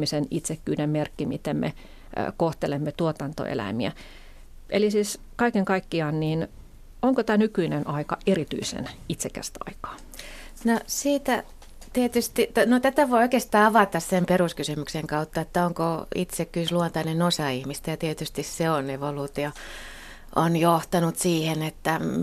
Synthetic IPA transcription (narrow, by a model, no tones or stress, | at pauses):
misenit̪sekːyːnemmerkːimit̪emmḛ | koht̪elemːet̪uot̪ɑnt̪o̰ḛlæ̰miæ̰ | ʔḛlisiːs | kɑikeŋkɑikːiɑːnniːn | oŋkot̪æːnykyinenʔɑikɑ̰ʔerit̪y̰isḛnit̪sekːæ̰st̪æɑ̰ikɑ̥ː | nosiːt̪æ | t̪iet̪yst̪it̪ænot̪æt̪æʋoioikeˑst̪ɑːɑʋɑt̪ɑssemperuskysymykseŋkɑut̪ːɑet̪ːæoŋkoit̪sekkːyːsluont̪ɑinenosɑihmist̪æjɑt̪iet̪yst̪isseoneʋoluːt̪io | onjoht̪ɑnut̪siːhenet̪ːæ